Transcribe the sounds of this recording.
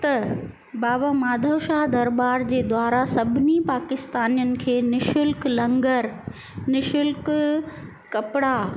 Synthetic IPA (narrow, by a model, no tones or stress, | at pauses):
t̪ɐ | baːbamaːd̪ʱəʋʃaɦd̪ɐɾbaːɾd͡ʑeːd̪waːɾasɐbʱɪnipaːkɪst̪aːnijənɪ̆kʰeːnɪʃʊlklɐ̃ŋɡəɾ | nɪʃʊlk | kɐpɽa